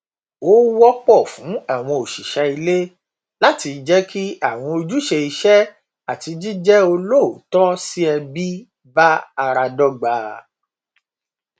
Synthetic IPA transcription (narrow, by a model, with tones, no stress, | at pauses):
o˦wɔ˦k͡pɔ˦˨fũ˨˦a˦˨w̃ɔ̃˧o˨ʃi˨ʃɛ˧i˧le˦ | la˦ti˧d͡ʒɛ˦kʰi˦a˦˨w̃ɔ̃˧o˧d͡ʒu˦ʃe˧i˧ʃɛ˦ | a˨ti˧d͡ʒi˦d͡ʒɛ˦o˧lo˦˨o˨tɔ˦si˦ɛ˧bi˦ | ba˦a˧ɾa˧dɔ˦ɡ͡baː˨˧